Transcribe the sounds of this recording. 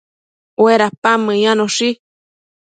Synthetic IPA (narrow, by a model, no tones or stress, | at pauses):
weɾapamɨ̃jãnõʂi